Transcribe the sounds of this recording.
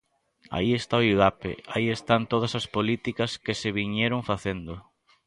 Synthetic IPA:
a̰iest̪aoiɣapḛaiest̪ant̪oð̞ɐsɐspolit̪ikɐskɪseβiɲeɾʊŋfaθend̪ʊ

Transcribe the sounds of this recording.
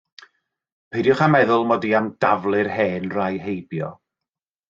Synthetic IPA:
pʰejdjʊχamɛðʊlˠmɔdiamd̥avlˠɨrheːnrajɦejbjɔ

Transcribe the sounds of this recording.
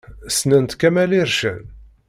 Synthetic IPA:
snənt̪kæmæliɾʃən

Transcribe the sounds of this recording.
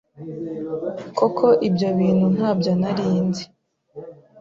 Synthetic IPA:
kokʰo̞ʔibjoβiːn̥hun̥haːbɟonaɾiːnzi

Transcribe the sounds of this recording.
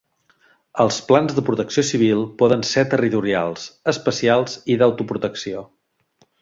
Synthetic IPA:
əlˠsplanzðəpɾut̪əksiosiβ̞ilˠpɔðənset̪ərit̪uɾialˠzəspəsialˠziðəwt̪upɾut̪əksio

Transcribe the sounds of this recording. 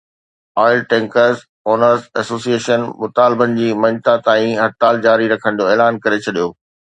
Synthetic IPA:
ɔːɪlʈɛ̃ːŋkəɾz | oːnəɾzɛsoːsieːʃənmʊt̪aːlɪbənɪ̆d͡ʑiːmɐ̃ɲt̪at̪aːĩɦɐt̪ːaːld͡ʑaːɾiɾɐkʰə̃ñ̆d̪joeːlaːnkɐɾet͡ɕʰɐɗijoː

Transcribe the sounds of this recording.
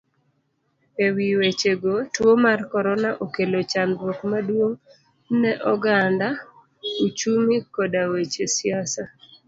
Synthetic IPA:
ewiwet͡ʃeɡotwomarkɔɾɔnaʔokelot͡ʃanɾokmadwoŋ | nɛʔɔɡanda | ut͡ʃumikɔdawet͡ʃesɪasa

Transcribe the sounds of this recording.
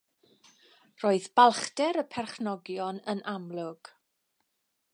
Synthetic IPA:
roːɨðb̥alˠχdɛɾəpʰɛrχnɔɡjɔnənamlˠʊɡ̥

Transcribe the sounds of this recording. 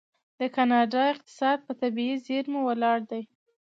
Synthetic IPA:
d̪̥əkanɑɖɑɪq̚t̪ɪ̥sɑd̪̚pət̪abiizeɾmuwalɑɽd̪aj

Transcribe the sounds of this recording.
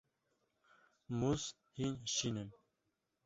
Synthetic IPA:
muz | hinʃinɨm

